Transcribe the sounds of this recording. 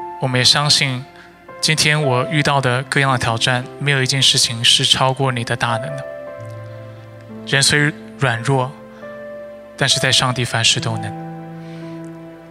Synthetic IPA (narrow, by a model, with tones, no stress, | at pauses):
wɔ˨˩mə˦njɛ˨˩ɕjɑ˥ŋɕi˥˩n | t͡ɕi˥nt̪ʰjɛ˥nwɔ˨˩y˥˧t̪ɑ˥˩ʊd̪ə˩kɤ˥˧jɑ˥˩ŋd̪ə˩t̪ʰjɑ˨˩ʊʈ͡ʂa˥˩nme˧˥ɪjo˨˩ʊi˧˥t͡ɕjɛ˥˧nʂɻ̩˥˩t͡ɕʰi˨ŋʂɻ̩˥˩ʈ͡ʂʰɑ˥ʊkwɔ˥˩ni˨˩d̪ə˦t̪a˥˩nə˧˥ŋd̪ə˧ | ɻə˧˥nswe˧˥ɪ | ɻwa˨˩nɻwɔ˥˩ | t̪a˥˧nʂɻ̩˥˧t͡sa˥˧ɪʂɑ˥˧ŋt̪i˥˩fa˧˥nʂɻ̩˥˩t̪o˥ʊnə˧˥ŋ